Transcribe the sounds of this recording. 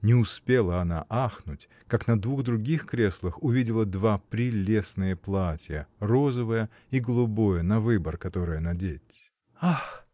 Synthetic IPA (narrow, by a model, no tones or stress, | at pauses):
nʲɪʊspʲelˠəɐna̰ʔaxnʊtʲ | kaknɐd̪vuɣd̪ɾʊɡʲixkɾʲeslˠəxʊvʲidʲɪlˠəd̪vapɾʲɪlʲe̞snɨjəplˠatʲjəro̞zəvəjə | iɡəlˠʊbo̞jənɐvɨbərkɐt̪o̞ɾɨjənɐdʲetʲ | ax